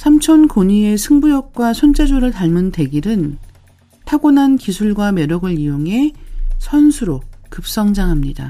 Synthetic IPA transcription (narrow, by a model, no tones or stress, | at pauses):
sʰamt͡ɕʰʌnkoɲie̞sʰɯŋbujʌk̚k͈wasʰont͡ɕʰe̞d͡ʑoɾɯɭtaɭmɯnte̞ɡiɾɯn | tʰaɡonankisʰuɭɡwame̞ɾoɡɯɾijoŋɦe̞sʰʌnsʰuɾokɯp̚s͈ʌŋd͡ʑaŋɦamɲida̰